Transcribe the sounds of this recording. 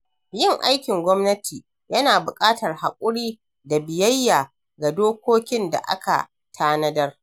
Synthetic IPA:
jɪ˦˨ŋʔa˦jkʲɪ˨ŋɡʷɔ˦mnɐ˦tʰiː˨ | jɐ˦naː˨bʊ˨kʼaː˦tɐ˨rha̰˨kʷʼʊ˦ɽiː˦ | da˨bɪ˨jɐ˦jːaː˨ | ɡa˨doː˦kʷoː˦kʲɪ˦nda̰˨ʔa̰˦ka̰˨ | tʰaː˦nɐ˦dɐ˦r

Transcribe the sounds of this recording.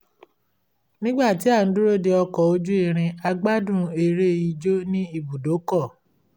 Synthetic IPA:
nĩ˦ɡ͡ba˦˨ti˨˦a˦˨n̩˦du˦ɾo˦˨de˧ɔ˧kɔ˨o˧d͡ʒu˦i˦˨ɾ̃ĩ˧a˧ɡ͡ba˦dũ˦˨e˧ɾe˦˨ji˧d͡ʒo˦nĩ˦i˦bu˨do˨˦kɔ˦˨

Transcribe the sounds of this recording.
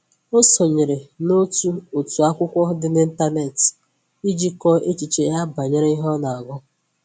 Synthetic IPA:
o˦sɔ˨ɲe˨ɾe˨no˦tu˦o˨tu˨a˦kʷʊ˦kʷɔ˦dɪ˦ne˦n̩˦ta˦ne˦˨t | i˦d͡ʒi˦kɔ˦e˦t͡ʃi˨t͡ʃe˨˦ja˦ba˨ɲe˦ɾe˦i˦ɦɔ˦na˨a˨ɡʊ˦

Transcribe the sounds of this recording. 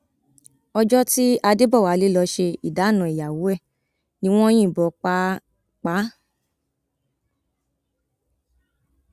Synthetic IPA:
ɔ˧d͡ʒɔ˦ti˦a˧de˦bɔ˦˨wa˨˦le˦lɔ˧ʃe˧i˨da˨˦˨nɔ̃˨i˨ja˨wo˨˦ɛ˦˨ | nĩ˦w̃ɔ̃˦ĩ˦˨bɔ˨˧˨k͡pa˦ | k͡pa˨˦

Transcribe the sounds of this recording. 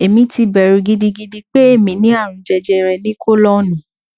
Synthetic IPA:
e˨mĩ˧˦ti˧bɛ˨ɾu˧ɡi˧di˧ɡi˧di˧k͡pe˦e˦˨mĩ˨˦nĩ˦a˦˨ɾ̃ũ˨d͡ʒɛ˧d͡ʒɛ˧ɾɛ˧nĩ˦ko˦lɔ˦nĩ˨˦˨

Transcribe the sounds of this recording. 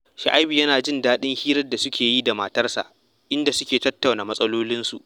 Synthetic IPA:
ʃa˨ʔa˦jbi˨jɐ˦naː˨d͡ʒɪ˦ndaː˦ɗɪ˦ŋhiː˦ɾɐ˦da˨sʊ˦kʲeː˨ji˦da˨maː˨tɐ˦rsa̰˨ʔ | ʔɪ˦nda˨sʊ˦kʲeː˨tɐ˦tːa˨wnaː˨mɐ˦sʼɐ˦loː˦lɪ˦nsu˨ʔ

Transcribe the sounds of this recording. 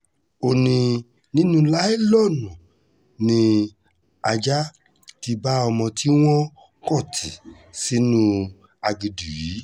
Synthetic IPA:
o˧nĩ˧ | nĩ˦nũ˦la˦ɛ˦lɔ˦˨nũ˨ | nĩ˧ | a˧d͡ʒa˦ | ti˧ba˦ɔ˧mɔ̃˧ti˦w̃ɔ̃˦ | kɔ˦˨tʰi˨ | si˦nũ˦ | a˧ɡi˧du˨ji˨˦

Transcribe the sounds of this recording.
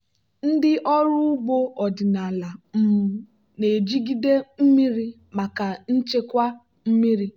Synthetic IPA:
n̩˦dɪ˦ʔɔ˦ɾʊ˦ʊ˦bo˦ɔ˨dɪ˨na˨la˨m̩˨ | ne˨d͡ʒi˦ɡi˦de˦m̩˦mi˦ɾi˦ | ma˨ka˨n̩˦t͡ʃe˦kʷa˦ | m̩˦mi˦ɾi˦

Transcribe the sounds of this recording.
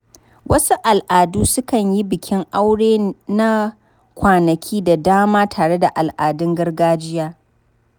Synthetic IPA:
wʔɐ˦su˦ʔa˨lʔaː˨duː˦sʊ˦kɐ˨ɲji˦bɪ˨kʲʰɪ˦ŋʔa˦wɽeː˦na˦ | kʷaː˨nɐ˨kʲʰiː˦da˨daː˦maː˦tʰaː˨ɽe˦da˨ʔa˨lʔaː˨dɪ˦ŋɡɐ˦rɡaː˦d͡ʒɪ˦jaː˦

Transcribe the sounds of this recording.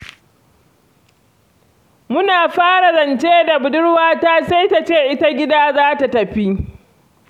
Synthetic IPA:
mʊ˦naː˨ɸaː˦ɽa˨zɐ˨nt͡ʃeː˦da˨bʊ˨dʊ˦ɽwaː˦taː˦sa˦jta˨t͡ʃeː˦˨ʔɪ˦ta˦ɡʲɪ˦daː˦zaː˦ta˨tɐ˨ɸi˦

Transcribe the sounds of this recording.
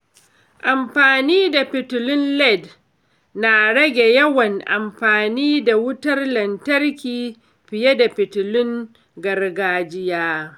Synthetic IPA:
ʔa˨mɸaː˨niː˦da˨pɪ˨tʊ˨lɪ˦nlɛ˦˨d | na˨ɽɐ˦ɡʲe˨jɐ˦wɐ˨ŋʔa̰˨mɸaː˨niː˦da˨wʊ˦tɐ˦rlɐ˨ntɐ˦rkʲiː˨ | ɸɪ˨je˦da˨pɪ˨tʊ˨lʊ˦ŋ | ɡɐ˨rɡaː˦d͡ʒɪ˦jaː˦

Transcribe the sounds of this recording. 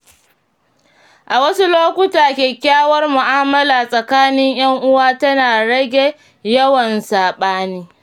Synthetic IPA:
ʔa˨wɐ˦su˦loː˦kʷʊ˦taː˨kʲeː˨kʲaː˦wɐ˦rmʊ˨ʔaː˦mɐ˦laː˨sʼɐ˨kaː˦nɪ˦ɲj̰ɐ˦ŋʔʊ˦waː˦tɐ˦naː˨ɽɐ˦ɡʲe˨ | jɐ˦wɐ˨nsaː˨ɓaː˦niː˦

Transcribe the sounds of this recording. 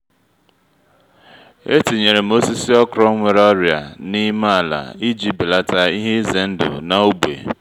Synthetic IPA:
e˦ti˨ɲe˨ɾe˨m̩˦o˦si˦si˦ɔ˦kɾɔ˦ŋʷe˨ɾɔ˦ɾja̰˨ni˦ma˦a˨la̰˨i˦d͡ʒi˦bi˨la˦ta˦i˦ɦe˦ze˨n̩˦dʊ̰˨na˨o˦bḛ˨

